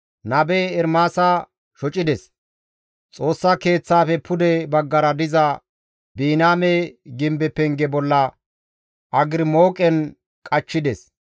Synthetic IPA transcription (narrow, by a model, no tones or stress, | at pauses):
nɐbɛɛɾmaːsa | ʃɔt͡ʃʼɪd̪ɛs | t͡sʼo̞ːsːɐke̞ːt͡sːaːfɛpʰʊd̪ɛbɐɡːɐɾɐd̪ɪzɐ | biːnaːmɛɡɪmbɛpːɛŋɡɛbɔlːɐ | ʔɐɡɪɾɪmoːkʼɛn | kʼɐt͡ʃːɪd̪ɛs